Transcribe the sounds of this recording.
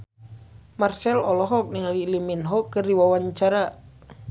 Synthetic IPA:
marsɛlɔlɔɦɔk̚niŋaliliminɦɔkɨrdiwawaɲt͡ʃaɾa

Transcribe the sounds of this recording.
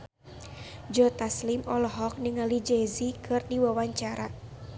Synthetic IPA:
d͡ʒɔt̪aslimɔlɔɦɔk̚niŋalid͡ʒɛzikʰɨrdiwawaɲt͡ʃaɾa

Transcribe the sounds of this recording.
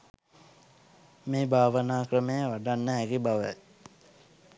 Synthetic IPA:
meːbʱaːʋənaːkrəməjəʋaɖanːəɦæɡibaʋə̰

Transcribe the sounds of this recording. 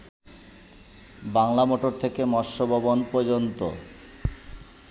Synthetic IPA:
baŋlamoʈoɾt̪ʰekemɔɾʃobʱabonpɔɾd͡ʑont̪o̰

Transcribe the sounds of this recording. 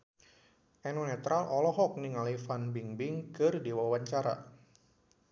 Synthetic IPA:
ʔɛnunɛt̪ɾalʔɔlɔɦɔk̚nɪŋalifanbiŋbɪŋkɨrdiwawaɲt͡ʃaɾa̰

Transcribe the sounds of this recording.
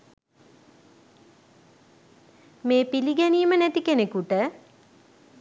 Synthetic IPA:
meːpiliɡæniːmənæt̪ikenekuʈə

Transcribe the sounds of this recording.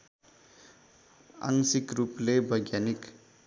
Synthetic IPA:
a̰ŋsikruplebʱʌjɡjanik

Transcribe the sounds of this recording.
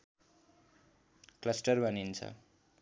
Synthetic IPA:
klʌsʈʌrbʱʌnint͡sʰʌ̰

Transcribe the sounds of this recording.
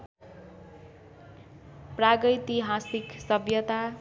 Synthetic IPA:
praɡʌt̪iɦãsiksʌbjʌt̪a

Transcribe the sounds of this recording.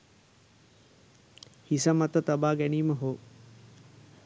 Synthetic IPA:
hisəmat̪ət̪abaːɡɛniːməɦoː

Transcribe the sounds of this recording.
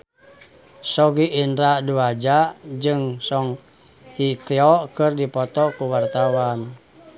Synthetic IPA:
sɔɡiʔːndɾaduad͡ʒad͡ʒɨŋsɔŋ | hikɛɔkɨrdipɔt̪ɔkuwart̪awan

